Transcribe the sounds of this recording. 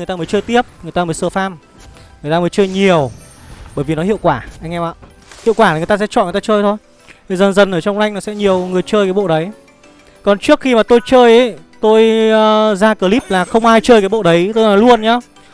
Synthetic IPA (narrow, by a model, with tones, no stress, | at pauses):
jt̪aː˧mə˨˦jt͡ɕəː˧jt̪i˦˥əp̚ŋ˨˩jt̪aː˧əː˨˦jsəː˧faː˧m | ŋɨ˨˩ət̪a˧əː˨˦jt͡ɕəː˧jɲi˨˩əwɓəː˧˩jvi˨˩nɔ˨˦hḭ˧˨əwkwaː˧˩ʔa˧jŋ̟ʔɛ˧mʔa̰˧˨ | hi˧˨wkwaː˧˩na˨˩jt̪aː˧sɛ̰˧˥t͡ɕɔ̰˧˨n˨˩t̪aː˧t͡ɕəː˧jt̪ʰo˧j | t̪ʰi˨˩zə˨˩nzə˨˩nʔəː˧˩t͡ɕɔ˧wŋ͡mla˧jŋ̟nɔ˨˦sɛ̰˧˥ɲi˨˩əwŋɨ˨˩əjt͡ɕəː˧jkaː˨˦jɓo̰˧˨ɗə˨˦j | kɔ˨˩nt͡ɕɨ˦˥ək̚xi˧maː˨˩t̪o˧jt͡ɕəː˧jʔə˨˦jt̪o˧j | zaː˧kəː˧˩li˦˥p̚laː˨˩xə˧wŋ͡mʔaː˧jt͡ɕəː˧jkaː˨˦jɓo̰˧˨ɗə˨˦jt̪o˧jnɔ˨˩jlu˧ənɲaː˨˧˦